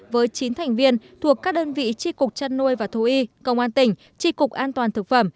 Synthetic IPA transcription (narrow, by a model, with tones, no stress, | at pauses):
vəː˨˦jt͡ɕi˨˦nt̪ʰɛ˨˩jŋ̟vi˧ənt̪ʰu˨˩əkːaː˦˥k̚ɗəː˧nvḭ˧˨t͡ɕi˧kʊ˨˩k͡p̚t͡ɕa˧nːu˧əjvaː˨˩t̪ʰu˧˩ʔi˧kə˧wŋ͡mʔaː˧nt̪ï˧˩ŋ̟ | t͡ɕi˧kʊ˨˩k̚ʔaː˧nt̪waː˨˩nt̪ʰɨ˨˩k̚fə˧˩m